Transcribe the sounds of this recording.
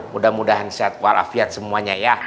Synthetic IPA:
mudahmudaɦansat̪̚walʔa̰fiat̪̚səmuaɲaja

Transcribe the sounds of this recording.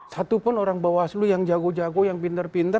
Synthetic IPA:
sat̪upʊnoɾaŋbawaslujaŋd͡ʒaɡod͡ʒaɡojaŋpint̪ərpint̪ə

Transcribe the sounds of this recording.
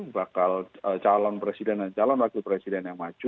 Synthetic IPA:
bakalət͡ʃalɔnpɾesidɛndant͡ʃalɔnlaɡupɾesidɛnjaŋmad͡ʒu

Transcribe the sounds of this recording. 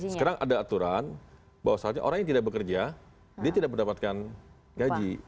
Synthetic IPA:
səkaɾaŋʔa̰daːt̪uɾan | bawasalɲa̰ʔo̰ɾaŋjaŋt̪idak̚bəkərd͡ʒa | diat̪idak̚mərndapat̪̚kan | ɡad͡ʒi

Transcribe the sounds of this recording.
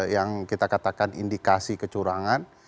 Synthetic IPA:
jaŋkit̪akat̪akanḭndikasikət͡ʃuɾaŋan

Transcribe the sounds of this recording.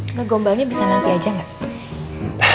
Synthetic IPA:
ŋaɡombalɲabisanaŋkajad͡ʒaŋat̪

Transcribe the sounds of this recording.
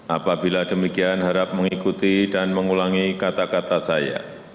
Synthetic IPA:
ʔapabiladəmikianɦəɾap̚məŋikut̪idanməŋulaŋikat̪akat̪asaja̰

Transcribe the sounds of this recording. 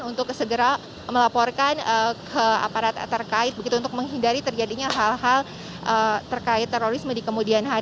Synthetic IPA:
nunt̪ʊk̚səɡəɾa | məlapɔrkanəkʰəa̰paɾat̪ːərkaɪt̪̚bəɡit̪unt̪ʊk̚məŋɦindaɾit̪ərd͡ʒadiɲaɦalɦal | ʔət̪ərkaɪt̪ːeɾoɾismədikəmudianɦa

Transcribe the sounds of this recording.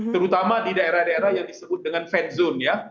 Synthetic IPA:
t̪əɾut̪amadidaeɾahdaeɾahjaŋdisəbʊt̪̚dəŋanfɛt̪̚zonja

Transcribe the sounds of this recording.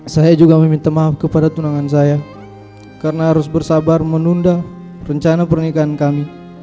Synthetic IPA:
sajad͡ʒuɡaməmint̪amaɦap̚kəpadat̪unaŋans̬aja | karnaɦaɾʊsbərsabarmənunda | rəɲt͡ʃanapərnikaankami

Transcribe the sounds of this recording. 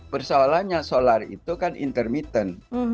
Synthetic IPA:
pərsoalaɲasolarḭt̪ukanʔḭnt̪ərmit̪ən

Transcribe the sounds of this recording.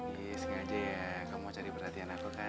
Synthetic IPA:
ɡɪskad͡ʒajakamut͡ʃaɾipərhat̪ianakuka

